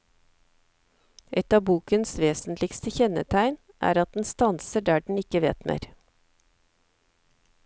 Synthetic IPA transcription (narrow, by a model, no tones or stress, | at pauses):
ʔɛt̪ɑːbuːkənsʋeːsn̩t̪lɪkst̪əçɛnə̰t̪ʰæɪn | ʔæ̰ːɾɑt̪̚d̪n̩st̪ɑnsəɖæːɖɳ̩ɪkəʋḛːt̪mḛːɾ